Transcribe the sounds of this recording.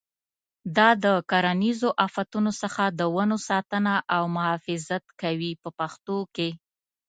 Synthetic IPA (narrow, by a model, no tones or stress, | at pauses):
d̪ɑd̪əkaɾanizoʔafat̪unosəxad̪əwanosɑt̪ənaʔawmʊɦɑfɪzat̪kawipəpaxt̪oke